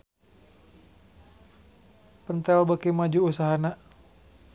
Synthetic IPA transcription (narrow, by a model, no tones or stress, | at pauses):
pənt̪ɛlbəkimad͡ʒuusaɦana